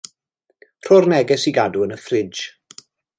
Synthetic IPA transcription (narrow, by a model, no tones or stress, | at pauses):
pʰr̥ɔrnɛɡɛsiɡaduənəfrɪd͡ʒ